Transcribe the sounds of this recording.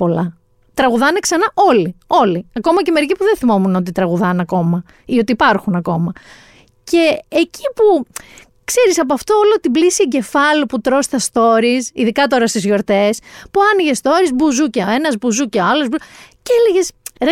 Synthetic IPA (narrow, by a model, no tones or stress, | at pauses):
po̞lɐ | t̪ɾɐɣuðɐneksɐnɐʔo̞lio̞liɐko̞mɐce̞me̞ɾicipuðenθimo̞muno̞t̪̬it̪ɾɐɣuðɐneɐko̞mɐ | io̞t̪iːpɐɾxunɐko̞mɐ | ce̞ːcipu | kse̞ɾisɐpoɐft̪oolot̪iblisiiɟe̞fɐloput̪ɾo̞st̪ɐst̪o̞ɾisḭðikɐt̪o̞ɾɐst̪izʝo̞ɾt̪e̞spuɐniʝe̞st̪o̞ɾizbuzucɐe̞nɐzbuzucɐɐlozbuceeleʝe̞sɾ